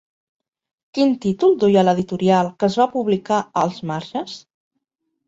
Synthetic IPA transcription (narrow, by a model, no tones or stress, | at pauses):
kint̪it̪ulˠd̪ujələðit̪uɾialˠkəzβapuβlikaəlˠzmaɾʒəs